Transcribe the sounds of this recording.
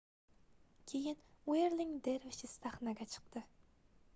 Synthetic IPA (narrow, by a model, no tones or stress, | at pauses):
kʲʰejɪneɾlɪŋd̪eɾvɪʃɪst̪aχnaɡʲɛt͡ʃʰɨ̥q̚t̪ɨ